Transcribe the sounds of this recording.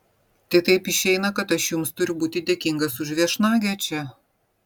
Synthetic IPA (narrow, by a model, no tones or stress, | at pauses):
t̪ɐɪt̪ɐɪpɪʃʲɛɪnɐkɐt̪ɐʃjʊmst̪ʊɾʲʊbuːt̪ʲɪd̪ʲeɛkʲɪŋɡɐsʊʒʲʋʲiɛʃnɑːɡʲɛt͡ʃʲɛ